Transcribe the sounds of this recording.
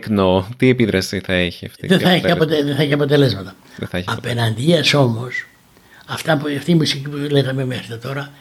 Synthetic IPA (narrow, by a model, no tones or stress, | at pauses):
knot̪iepiðɾɐsiθɐeçiɐ̰ft̪ḭðeθɐeçiɐot̪eðeθɐeçiɐpo̞t̪e̞le̞zmɐt̪ɐ | ɐɐpe̞nɐnd̪iɐso̞mo̞s | ɐft̪ɐpɐft̪iːmusicipuleɣɐmemexɾit̪ɐt̪o̞ɾɐ